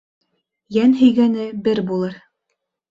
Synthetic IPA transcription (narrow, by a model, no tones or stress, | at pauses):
jænɦɵ̆jɡænɘbɘɾbulˠɤɾ